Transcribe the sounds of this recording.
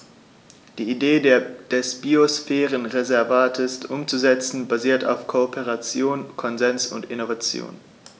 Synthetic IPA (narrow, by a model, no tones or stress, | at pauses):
d̥iːideːdeɐd̥ɛsb̥iosfɛːʁənʁezɛɐvaːtʰɪstʔʊmt͡suzɛt͡sn̩baziːɐta̰ʊfkʰoopʰeʁat͡sjoːnkʰɔnzɛnsʊ̰ntɪnovat͡sjo̰ːn